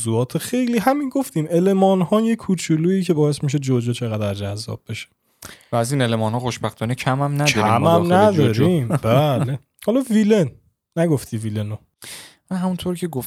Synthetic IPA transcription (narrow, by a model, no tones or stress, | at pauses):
zuɒːt̪ʰexe̞jliːɦæminɡo̞ft̪iːme̞le̞mɒːnhɒːjekʰːuːt͡ʃʰuluːiːcʰe̞bɒːje̞smiʃ̬ed͡ʒod͡ʒet͡ʃʰeɣæd̪æɾd͡ʒæzːɒ̰ːb̥̚be̞ʃe̥ | væːzinelemɒːnhɒːxoʃbæxt̪ʰɒːnecʰæmæmnæd̪ɔiæ̰mæmnæd̪ɒːɾiːmbæle | hɒːlɒvilenː | æɡoft̪iːvileno | mæɦæmunt̪ʰoɾcʰeɡof